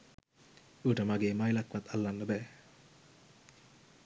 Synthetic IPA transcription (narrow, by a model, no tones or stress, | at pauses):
uːʈamaɡeːmajlakːʋat̪ʰalːanːəbɛː